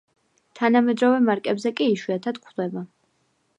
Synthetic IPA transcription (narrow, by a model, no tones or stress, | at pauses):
t̪ʰanamɛd̪ɾɔvɛmaɾkʼɛbzɛkʼiːʃwiat̪ʰad̪kʰd̪ɛba